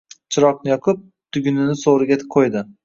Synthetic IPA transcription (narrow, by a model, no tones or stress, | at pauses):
t͡ʃʰɪɾɒqnɪjɒqʰɨp̚ | t̪ʰʊɡʲʊnɪnɪsoɾɪɡʲaqʰojd̪ɪ